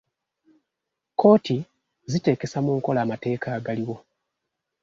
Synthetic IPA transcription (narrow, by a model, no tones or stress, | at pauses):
ko̞ːti | zite̞ːke̞samuːŋko̞laːmate̞ːkaːɡaliwo̞